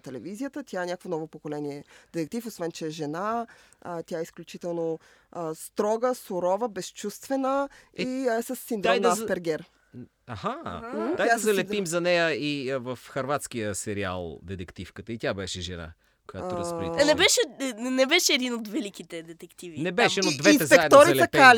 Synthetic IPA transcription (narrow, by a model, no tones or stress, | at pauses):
t̪ɛlɛvizijət̪ət̪ʲjaɛnʲakvonɔvopokolɛniɛd̪ɛt̪ɛk̚t̪ifosvɛnt͡ʃɛːʒɛna | t̪jaɛisklʲut͡ʃit̪ɛlˠno | əst̪ɾɔɡəsʊɾɔvəbɛst͡ʃust̪vɛnəisəsːind̪ɾɔmnafpɛɾɡʲɛɾ | ahaaazɐlɛpimzɐnɛjəivəfxɐɾvat̪skijəsɛɾia̰lˠd̪ɛt̪ɛkt̪ifkət̪əit̪ʲjabɛʃɛʒɛ̰na̰ | kojat̪oɾspɾnɛbɛʃɛnɛbɛʃɛːd̪inot̪vɛlikit̪ɛd̪ɛt̪ɛkt̪ivinɛbɛʃɛnod̪vɛinɛzsɛakɛd̪ɔɾiɐlɐkal